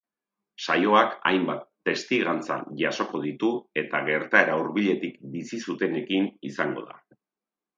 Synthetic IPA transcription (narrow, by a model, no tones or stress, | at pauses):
sajo̞aka̰jmbat̪ːe̞st̪iɣant͡sa̰ʝaso̞ko̞ðit̪ue̞t̪aɣe̞ɾt̪ae̞ɾauɾβiʎe̞t̪ik̚bisisut̪e̞ne̞kinisaŋɡo̞̰ða̰